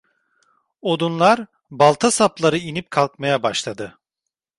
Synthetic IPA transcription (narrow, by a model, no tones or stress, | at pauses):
o̞d̪unlˠaɾ | balˠt̪ʰasaplˠaɾɯinip̚kʰalˠkmajabaʃlˠad̪ɯ